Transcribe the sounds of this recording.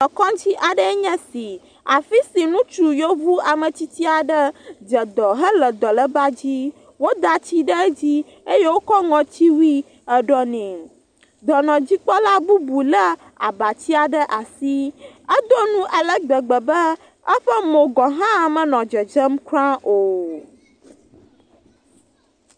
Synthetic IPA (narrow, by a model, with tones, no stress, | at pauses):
ɔ˨kɔ̃˦d͡ʑi˦ʔa˨ɖə˦ɲɛ̃˦si˨ | a˨fi˦si˨nũ˦t͡ʃu˨jo˦vu˦a˨mə̃˨t͡ɕi˦t̪i˦a˨ɖə˦d͡ʒə˨d̪ɔ˨ɦə˦lə˨d̪ɔ˨lə˦ba˦d͡ʑi˦ | wo˦d̪a˨t͡ɕi˦ɖə˦d͡ʑi˦ | e˦je˦wo˦kɔ˦ŋɔ̃˨t͡ɕi˦wi˦ | ə˦ɖɔ˦nɛ̃˨ | d̪ɔ˨nɔ̃˨d͡ʑi˦k͡pɔ˦la˦bu˦bu˨lə˦ | a˨ba˨t͡ɕi˦a˨ɖə˦ʔa˨si˦ə˦d̪o˦nũ˦ʔa˨lə˦ɡ͡bə˨ɡ͡bə˨bə˦ | ə˦ɸə˦mõ˨ɡɔ̃˨ɦã˦˨mə̃˨nɔ̃˨d͡ʒə˨d͡ʒə˦mkɾã˦ʔo˨